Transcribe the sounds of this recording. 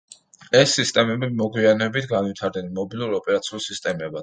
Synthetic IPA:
ɛsːist̪ʼɛmɛbimɔɡwianɛbit̪ʰɡanvit̪ʰaɾd̪nɛnmɔbilˠuɾɔpʼɛɾat̪sʰiulˠsist̪ʼɛmɛba

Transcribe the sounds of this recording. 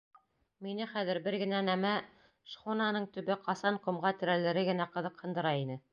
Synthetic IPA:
minɘχæðɘ̆ɾbɘɾɡɘ̆nænæmæ | ʃχonɑnɤɴt̪ɵ̆βɘqɑsɑɴqŏmʁɑt̪ɘ̆ɾælɘ̆ɾɘɡɘ̆næqɤ̆ðɤqhɤ̆nd̪ɤ̆ɾɑinɘ

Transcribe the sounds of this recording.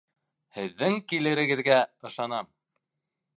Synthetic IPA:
hɘ̆ðːɘŋkilɘ̆ɾɘ̆ɣɘ̆ðɡæɤ̆ʃɑnɑm

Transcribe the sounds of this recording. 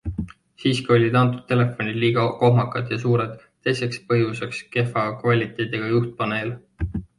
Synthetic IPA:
siːskio̞lʲid̪ɑnt̪̬ˑud̪̥̚t̪ːe̞le̞fːˑo̞nʲid̪̥liːɡ̥ɑko̞ɦmɑkːˑɑd̪̥jɑsuːɾed̪̥ | t̪ːe̞jse̞kspɤjuse̞kske̞fɑkvɑlʲit̪ːˑe̞jd̪̥eɡ̥ɑjuht̪̚pɑnel

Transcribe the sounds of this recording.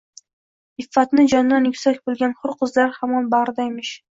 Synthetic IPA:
ɪfːat̪nɪd͡ʒɒnːanjʊkʲsakʲbolˠɡʲanχʊɾqʰɨzlaɾhamɒnbaɾd̪ajmɪʃ

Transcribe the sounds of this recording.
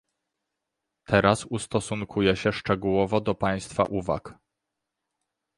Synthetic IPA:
t̪ʰɛɾasust̪ɔsuŋkʰujɛɕɛʂt͡ʂɛɡuwɔvɔd̪ɔpaj̃st̪fa̰ʔuva̰k

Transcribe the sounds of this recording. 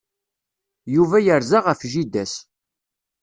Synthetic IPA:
juvæjəɾzaʁəfʒid̪æs

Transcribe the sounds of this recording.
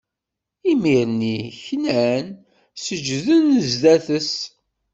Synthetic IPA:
imiɾniçnæn | səd͡ʒðənzðæθəs

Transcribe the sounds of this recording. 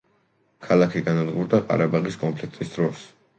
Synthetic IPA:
kʰalˠakʰiɡanad̪ɡuɾd̪aqʼa̰ɾabaʁiskʼɔmpʰlik̚ʰt̪ʼisd̪ɾɔs

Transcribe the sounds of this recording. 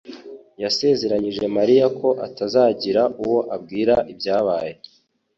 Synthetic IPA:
jase̞ːze̞ɾaɲiʒe̞maɾijakʰo̞ʔa̰tazaːɟiɾaʔuwo̞ʔab̚ɡiːɾaʔibjaːβaːje̞

